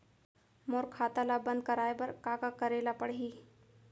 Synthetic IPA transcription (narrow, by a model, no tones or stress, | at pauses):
moɾkʰat̪alabənd̪̚kəɾajbəɾkakakəɾelapəɽɦiː